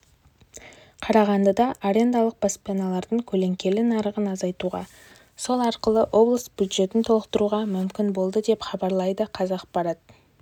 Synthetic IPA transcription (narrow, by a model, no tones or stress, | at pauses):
qʰɑɾɑʁɑnd̪əd̪ɑʔaɾe̞nd̪ɑlˠəq̚pospʲijanɑlˠɑɾd̪əɴkʲʰɵle̞ŋkʲe̞lɪnɑɾəʁənɑzɑjt̪uʁɑ̰ | so̞lˠɑɾqəlˠəʔo̞blˠəsbʲjud̪ʒe̞t̪ɪnt̪ʰo̞lˠəq̚t̪əɾuʁɑmʏmkʲɪnbo̞lˠd̪əd̪e̞pχɑbɑɾlˠɑjd̪əqʰɑzɑqpɑɾɑt̪